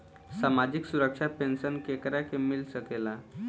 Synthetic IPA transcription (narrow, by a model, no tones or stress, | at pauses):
samad͡ʑiksuɾəkʂapensənkekɾakemilsəkela